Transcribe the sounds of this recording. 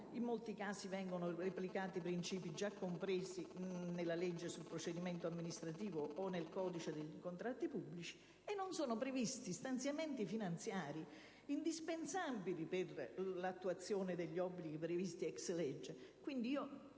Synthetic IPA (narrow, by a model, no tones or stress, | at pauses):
imːolt̪ikaːsivɛŋɡonoreplikaːt̪ipɾint͡ʃiːpid͡ʒakːompɾeːsinelːalɛd͡ʒːesulpɾot͡ʃed̪imɛnt̪oamːinist̪ɾat̪iːvoːnelkɔːd̪it͡ʃed̪eʎikont̪ɾat̪ːipubːlit͡ʃi̥ | enːonsɔːnopɾevist̪ist̪ant̪sjament̪ifinant̪sjaːɾi | ind̪ispensabiliperlat̪ːuat̪sːjoːnɪd̪eʎːiɔbːliɡipɾevist̪iɛkslɛd͡ʒːekwind̪iiːo